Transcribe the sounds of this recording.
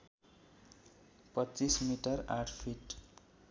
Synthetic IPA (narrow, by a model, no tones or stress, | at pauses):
pʌt͡sismiʈʌra̰ʈʰpʰiʈ